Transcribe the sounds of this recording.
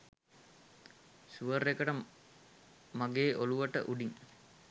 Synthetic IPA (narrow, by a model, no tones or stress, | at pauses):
suʋəɾekəʈə | maɡeːʔoluʋəʈə̰ʔuɖiŋ